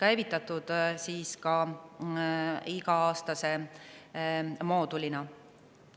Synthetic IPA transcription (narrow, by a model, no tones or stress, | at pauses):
kæjvit̪ˑːɑt̪ːˑud̪̥siːskɑ | iɡɑɑːst̪ɑse̞ | mo̞ːd̪ulinɑ